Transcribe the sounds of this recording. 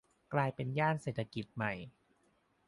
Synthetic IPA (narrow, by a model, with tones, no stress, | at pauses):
klaː˧jpe˧njaː˥˩nseː˨˩t̪ʰːa˧ki˨˩t̪̚ma˨˩j